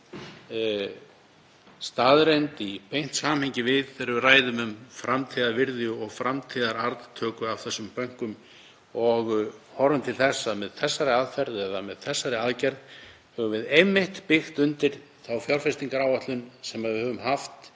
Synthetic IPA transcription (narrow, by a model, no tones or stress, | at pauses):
st̪aːðɾejnt̪ipejn̥t̪saːmhejɲcɪvɪðθɛɾraːjðʏmʏmfɾamt̪ʰiːðavɪɾðjʏɔɣfɾʔamt̪ʰiːðaɾaɾðt̪ʰœːkʏawθɛsːʏmpœŋ̥kʏm | ɔɣhɔɾʏmt̪ʰɪlθɛsːamɛðθɛsːaɾɪaðfɛɾðɛðamɛðθɛsːaɾɪaðcɛɾð | hɛvʏvɪðejmːɪht̪pɪxt̪ʏnt̪ɪɾ̥ | θawfjawɾfɛst̪iŋkaɾaːwat̪lʏnsɛmaððvɪhœvʏmɦaft̪